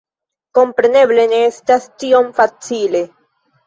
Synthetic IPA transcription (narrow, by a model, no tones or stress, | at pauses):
ko̞mpɾe̞ne̞ble̞ne̞estastio̞mfat͡sile̞